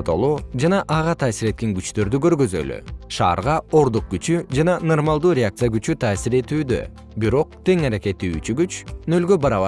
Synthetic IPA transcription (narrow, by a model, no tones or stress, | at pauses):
t̪o̰lˠuːd͡ʒɑnɑʔɑʁɑt̪ʰɑːsiɾe̞t̪̚ke̞ŋɡyt͡ʃt̪ø̞ɾd̪yɡø̞ɾɡø̞zø̰ly̰ʃɑ̰ːɾʁɑo̞ɾd̪uq̚ɡyt͡ʃyd͡ʒɑnɑno̞rmalˠd̪uːɾʲeak̪̚sɨjaɡyt͡ʃyt̪ʰɑːsiɾe̞t̪yːd̪ø̞̰ | biɾo̞q̚t̪e̞ŋɑɾake̞t̪ːḭːt͡ʃyɡyt͡ʃnø̞lɡø̞bɑɾɑβɑ